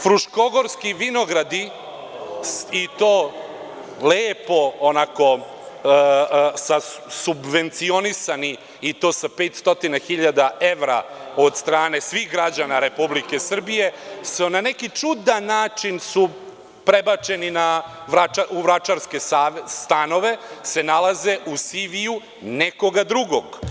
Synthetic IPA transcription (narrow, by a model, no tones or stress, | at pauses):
fɾuʃko̞ɡo̞ɾskiʋinoɡɾad̪i | sit̪oː | leːpo̞ːnako̞ | sasubʋe̞nt̪sio̞nisani | it̪o̞ːsape̞ːt̪st̪o̞t̪inaxiʎad̪aʔe̞ʋɾa̰o̞d̪st̪ɾaːne̞sʋiɣɡɾad͡ʑanaɾe̞publike̞sr̩bije̞sunane̞kit͡ʂud̪anːaːt͡ʃinsu | pɾebat͡ʃe̞ninaʋɾaaʔuʋɾat͡ʃaɾske̞ast̪ano̞ʋe̞se̞nalaze̞ʔusiʋiju | neko̞ɡad̪ɾuɡoɡ